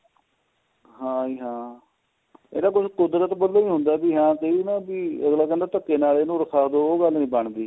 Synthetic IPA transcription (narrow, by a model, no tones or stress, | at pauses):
ɦãːiːɦãː | ḛːd̪aːk̬ʊt͡ʃʰkʊd̪ɾət̪bəd̪loːĩːɦʊnd̪aːbiːɦãːk̪əiːnãːbiːəɡlaːkənd̪aːt̪əkːeːnaːleːnũːɾəkʰaːd̪oːɡəlnĩːbəɳd̪iː